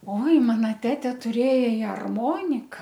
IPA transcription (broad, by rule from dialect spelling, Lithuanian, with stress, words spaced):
oːɪ ˈmɑːnɐ ˈtʲæːtʲeː tʊˈrʲeːjɛ ɪ ɐrˈmoːnʲɪkɐ